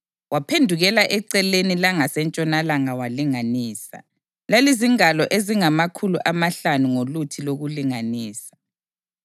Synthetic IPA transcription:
wapʰendʱuɣɛlaʔɛǀɛlenilaŋasɛnt͡ʃʼɔnalaŋawaliŋaniːsa̰ | laliziŋalɔʔeziŋamakʰuluʔamaɬanuŋolutʰiloɣuliŋaniːsḁ

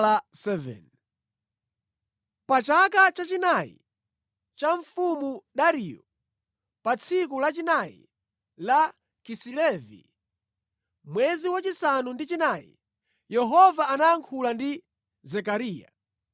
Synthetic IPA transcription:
asɛvɛ̰n | pat͡ʃakat͡ʃat͡ʃinajḭ | t͡ʃaɱfumuɗaɾijɔ | pat͡sʰik̬ulat͡ʃinajḭ | la | kisilɛvḭ | mwɛziwat͡ʃisanundit͡ʃinajḭ | jɛɦɔvaːnaːŋkʰulandi | zɛkaɾiːja̰

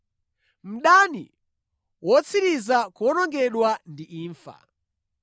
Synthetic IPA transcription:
m̩ɗanḭ | wɔt͡sʰiɾizakɔnɔŋɡɛɗwandiʔiːɱfa̰

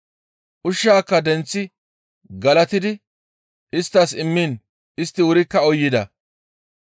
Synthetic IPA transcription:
ʔʊʃːaːkːɐd̪ɛnt͡sːɪ | ɡɐlɐt̪ɪd̪ɪ | ʔɪst̪ːɐsɪmːiːn | ɪst̪ːɪwʊɾɪkːɐɔjːɪd̪ɐ

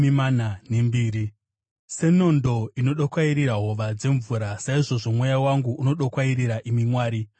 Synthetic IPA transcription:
imanane̞mbiːɾi | se̞no̞ndo̞ino̞ɗokwaiɾiɾaɦo̞ʋad͡ze̞ɱvuɾasaiʐo̞ʐo̞mwejawaŋɡuuno̞ɗokwaiɾiɾaʔimimwaːɾi

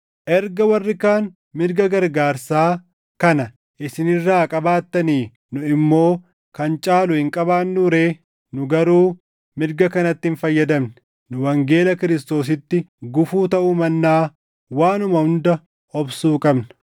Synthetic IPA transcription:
ʔɛɾɡɐwɐrːɪkaːn | mɪɾɡɐɡɐɾɡaːɾsaː | kɐnɐ | ʔɪsɪnɪrːaːkʼɐbaːt̪ːɐniː | nʊɪmːo̞ː | kɐnt͡ʃʼaːlʊhɪŋkʼɐbaːnːuɾeː | nʊɡɐɾuː | mɪɾɡɐkɐnɐt̪ːɪɪnfɐjːɐd̪ɐmnɪ | nʊwɐŋɡe̞ːlɐkɪɾɪs̬t̪o̞ːs̬ɪt̪ːɪɡʊfuːt̪ɐʔʊmɐnːaː | waːnʊmɐhʊnd̪ɐ | ɔbsuːkʼɐbnɐ̥

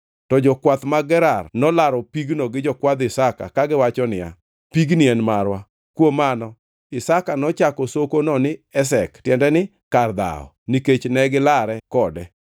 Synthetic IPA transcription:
tɔd͡ʒɔkwat̪maɡɛɾarnɔlaɾɔpiɡnɔɡɪd͡ʒɔkwad̪ɪsaka̰kaɡɪwat͡ʃɔnɪja̰ | piɡnɪɛnmaɾwa | kwomanɔ | ɪsakanɔt͡ʃakɔsokonɔnɪɛsɛktjɛndɛnɪ | kard̪a̰ɔ̰niket͡ʃnɛɡɪlaɾɛkɔdɛ

